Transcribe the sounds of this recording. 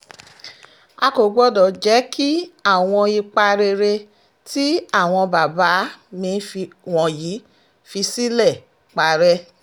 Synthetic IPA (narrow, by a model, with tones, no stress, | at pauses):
a˧ko˨ɡ͡bɔ˦dɔ˨d͡ʒɛ˨˦kʰi˦a˦˨w̃ɔ̃˧i˧k͡pa˧ɾe˧ɾe˧ | ti˦a˦˨w̃ɔ̃˧ba˨ba˨˦mĩ˧fi˧wɔ̃˨ji˨˦ | fi˧si˦lɛ˦˨ | k͡pa˧ɾɛ˦